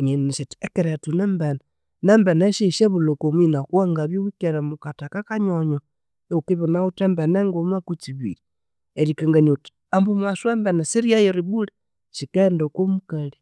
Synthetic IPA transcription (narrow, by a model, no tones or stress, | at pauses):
ɲenneʃetekeɾetunembena | nembeneʃiʃeβulokominakwaŋɡaβjowikeɾemukatakakaɲoɲo | eukeβonautembeneŋɡomakut͡ʃiβḭɾi | eɾikaŋɡaɲot | ambumaswembenesiɾiajeɾiβule | ʃikendokomukali